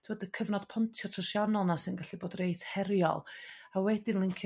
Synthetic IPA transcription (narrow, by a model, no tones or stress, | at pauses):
tʰɪwədəkʰəvnɔd̥pʰɔntʰjɔtʰrɔsjanɔlˠnasɨnɡaɬiboːdrejtʰhɛɾjɔ̰lˠ | awɛdɪnlˠɪŋkʰ